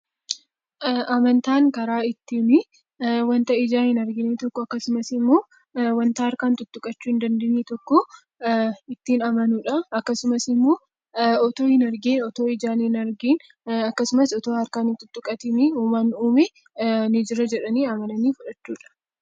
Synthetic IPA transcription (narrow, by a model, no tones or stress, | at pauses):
ʔɐmɐnt̪aːŋkɐɾaːɪt̪ːɪmɪ | wɐnt̪ɐʔɪd͡ʒaːnɪnɐɾɡɪniːt̪ɔkːɔɐkːɐsʊmɐsɪmːoː | wɐnt̪aɐɾkaːnt̪ʊt̪ːʊkʼɐt͡ʃːuːɪnd̪ɐnd̪ɪniːt̪ɔkːɔ | ɪt̪ːɪnɐmɐnuᶑɐɐkːɐsʊmɐsɪmːoː | ɔt̪oːhɪnɐɾɡiːnɔt̪o̞ːɪd͡ʒaːnɪnɐɾɡiːn | ɐkːɐsʊmɐsɔt̪oːɐɾkaːnɪt̪ʊt̪ːʊkʼɐt̪ɪnɪuːmɐnuːmɪ | nɪd͡ʒɪɾɐd͡ʒɛᶑɐniːɐmɐnɐniːfʊᶑɐt͡ʃːuːᶑɐ̥